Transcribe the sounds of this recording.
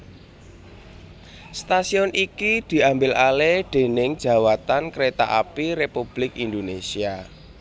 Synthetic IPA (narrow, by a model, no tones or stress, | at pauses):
st̪asiɔnikid̪̥i̤ʔambɪlaleɖ̪̥e̤nɪŋd̥ʒ̥ä̤wat̪ankɾet̪aʔapiɾepub̥lɪkind̪onesia